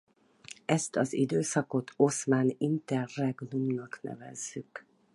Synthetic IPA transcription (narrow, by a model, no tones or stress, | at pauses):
ɛst̪ɒzid̪øːsɒko̞t̪ʰo̞smaːnint̪ɛrːɛɡnumnɒknɛ̰vɛ̰zːyk